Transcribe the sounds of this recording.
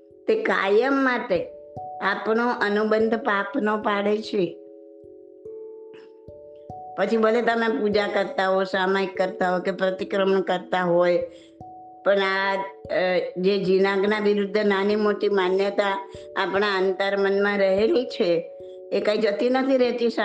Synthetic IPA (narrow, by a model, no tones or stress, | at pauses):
t̪eka̰jəmːat̪eapnoʔənubənd̪ʱpapnopaɽet͡ʃʰe | pət͡ʃʰibəlet̪əmẽpud͡ʒakəɾt̪aɦojsamaikːəɾt̪aɦojkepɾət̪ikɾəmɳkəɾt̪aɦoj | pəɳa | d͡ʒed͡ʒinãɡnaʋiɾud̪ʱːnanimoʈimanjət̪a̰ː | pɳaənt̪əɾmənmãɾəɦelit͡ʃʰeː | kãid͡ʒət̪inət̪ʰiɾɛt̪is